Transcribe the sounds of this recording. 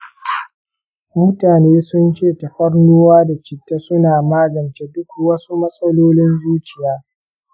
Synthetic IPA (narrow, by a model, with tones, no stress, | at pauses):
mʊ˦taː˨neː˦sʊ˦nt͡ʃeː˦˨tɐ˨ɸɐ˦rnuː˦waː˦da˨t͡ʃɪ˨tːa˦sʊ˦naː˨maː˦ɡɐ˨nt͡ʃe˦dʊ˦kwɐ˦su˦mɐ˦sʼɐ˦loː˦lɪ˦nzuː˦t͡ʃɪ˨jaː˦